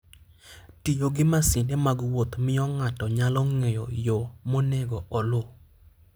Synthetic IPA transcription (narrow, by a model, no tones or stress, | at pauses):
tijoɡɪmasɪndemaɡwot̪mɪɔŋatɔɲalɔŋejɔ̰jomonɛɡɔʔɔlo